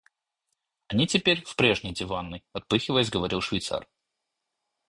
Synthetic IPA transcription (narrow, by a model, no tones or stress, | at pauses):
ɐnʲitʲɪpʲeɾʲfpɾʲe̞ʐnʲɪjdʲɪvanːɨjɐt̪̚pɨxʲɪvəjɪs̬ʲɡəvɐɾʲilˠʂvʲɪjt̪sa̰r